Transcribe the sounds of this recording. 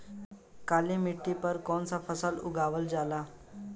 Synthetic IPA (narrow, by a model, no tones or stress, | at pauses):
kalimiʈːipəɾkɔɳt͡safəsəluɡʱaʋəld͡zala